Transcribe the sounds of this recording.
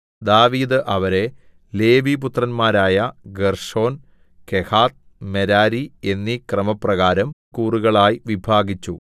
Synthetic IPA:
d̪aːʋiːd̪ɨʔɐʋɐɾe̞ | le̞ːʋiput̪rɐnmaːɾaːjɐɡerʂo̞ːn | kehaːt̪̚ | meɾaːɾie̞nːikrɐmɐprɐɣaːɾɐmkuːruɣɐɭaːjiʋibʱaːɡit͡ɕːu

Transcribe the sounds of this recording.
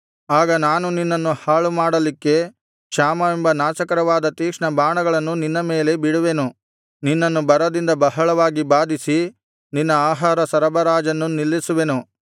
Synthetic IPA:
aːɡɐnaːnuninːɐnːuhaːɭumaːɽɐlikːe̞ | kʂaːmɐʋembɐnaːʃɐkɐɾɐʋaːd̪ɐt̪iːkʂɳɐbaːɳɐɡɐɭɐnːuninːɐme̞ːle̞biɽuʋe̞nu | ninːɐnːubɐɾɐd̪ind̪ɐbɐɦɐɭɐʋaːɡibaːd̪isi | ninːɐaːɦaːɾɐsɐɾɐbɐɾaːd͡ʒɐnːunilːisuʋe̞nu

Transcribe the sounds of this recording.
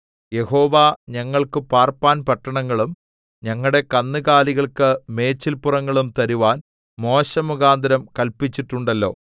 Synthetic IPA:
je̞ho̞ːʋaːɲɐŋːɐɭkɨpaːrpaːnpɐʈːɐɳɐŋːɐɭum | ɲɐŋːɐɽe̞kɐnːɨɣaːliɣɐɭkɨme̞ːt͡ɕːilpurɐŋːɐɭumt̪ɐɾuʋaːn | mo̞ːɕɐmuɣaːnd̪ɐɾɐmkɐlpit͡ɕːiʈːuɳɖɐlːo̞̰ː

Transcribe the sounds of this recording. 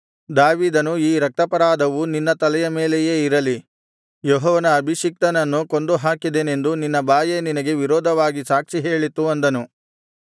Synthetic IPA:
d̪aːʋiːd̪ɐnuiːɾɐk̚t̪ɐpɐɾaːd̪ɐʋuninːɐt̪ɐlɛjɐme̞ːlejeːiɾɐli | joɦɔːʋɐnɐːbʱiʃik̚t̪ɐnɐnːuko̞nd̪uɦaːkid̪ene̞nd̪uninːɐbaːjeninɐɡe̞ʋiɾɔːd̪ʱɐʋaːɡisaːkʂiɦe̞ːɭit̪ːuɐnd̪ɐnu

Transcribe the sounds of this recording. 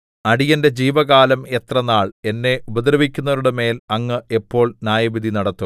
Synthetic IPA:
ɐɽijɐnde̞d͡ʑiːʋɐɣaːlɐme̞t̪rɐnaːɭe̞nːe̞ʔubɐd̪ɾɐʋikʲːun̪ːɐɾuɽeme̞ːlɐŋːɨe̞pːo̞ːɭnʲaːjɐʋid̪ʱinɐɽɐt̪ːu

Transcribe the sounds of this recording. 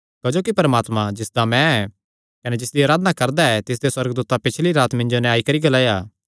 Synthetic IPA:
kɐd͡ʒoːkipɐɾəmaːt̪mãd͡ʒɪsd̪amɛ̃ɛ | kɐned͡ʒɪsd̪iaːɾaːd̪ənakɐɾd̪aɛt̪ɪs̬d̪eswɐɾɡd̪uːt̪apɪt͡ʃʰliɾaːt̪mɪ̃nd͡ʒonɛ̃aːikɐɾiɡɐlaːjaː

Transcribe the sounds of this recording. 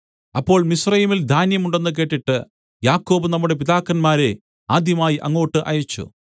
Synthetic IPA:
ɐpːo̞ːɭmisrɐjimild̪ʱaːnjɐmuɳɖe̞nːɨk̬eːʈːiʈːɨ | jaːkːo̞ːbɨnɐmːuɽe̞p̬iðaːkːɐnmaːɾe̞ | aːd̪jɐmaːjiʔɐŋːo̞ːʈːɨʔɐjɐt͡ɕːṵ

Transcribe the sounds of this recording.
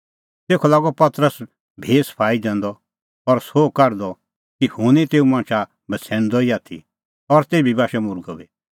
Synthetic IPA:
t̪eːkʰɔlaːɡɔpɐt̪ɾəs | bʱeːspʰaːid͡ʒ̪ɛ̃ːnd̪ɔ | ɔɾsoːkɐɾd̪ɔ | kihunit̪eːũmãːnt͡ʃʰa | bʱɐt͡sʰɛ̃ːñd̪ɔiaːt̪ʰḭ | ɔɾt̪eːbʱibaːʃɛmʊɾɡɔbiː

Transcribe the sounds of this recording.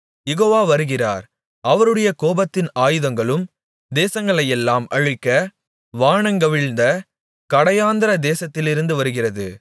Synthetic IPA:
jɛɣoːʋaːʋɐɾɯɣɪra̰ːɾ | ʔɐʋɐɾɯɽɐjɐkoːbɐt̪ːɪnaːjɯðɐŋɡɐɭɯm | d̪eːsɐŋɡɐɭɐjɛlːaːmɐ̰ɻɯkːɐ | ʋaːɳɐŋɡɐʋɪɭnd̪ɐ | kɐɽɐjaːnd̪ɪɾɐd̪eːsɐt̪ːɪlɪɾɯnd̪ɯʋɐɾɯɣɪrɐðɯ

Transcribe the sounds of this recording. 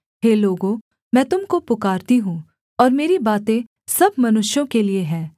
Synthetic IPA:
ɦeːloːɡõ | mɛ̃ːt̪ʊmkopʊkaːɾt̪iɦũ | ɔːɾmeːɾibaːt̪ẽ | sɐb̚ʱmɐnʊʃjõkelieɦɛ̃ː

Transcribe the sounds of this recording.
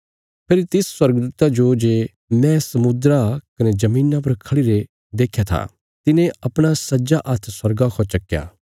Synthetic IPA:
pʰeːɾt̪ɪsswɐɾɡd̪uːt̪ad͡ʒod͡ʒeː | mɛ̃sɐmʊd̪ɾakɐned͡ʒɐmiːnap̬ɐɾkʰɐɽiɾe | d̪eːkʰjat̪ʰa̰ | t̪ɪnẽɐpɽ̃asɐd͡ʒaʔɐt̪ʰswɐɾɡakʰɔt͡ʃɐkːja̰ː

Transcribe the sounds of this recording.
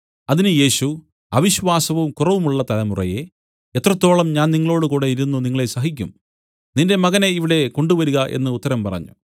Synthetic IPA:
ɐðinɨje̞ːɕu | ɐʋiɕʋaːsɐʋumkurɐʋumuɭːɐt̪ɐlɐmurɐ̰je̞ | et̪ːrɐt̪ːo̞ːɭɐmɲaːnniŋːɐɭo̞ːɽɨkuːɽe̞jiɾunːuniŋːɐɭe̞sɐɦikʲːum | ninde̞mɐɣɐne̞iʋiɽe̞ko̞ɳɖuʋɐɾuɣɐʔe̞̰nːɨut̪ːɐɾɐmpɐrɐ̰ɲːṵ

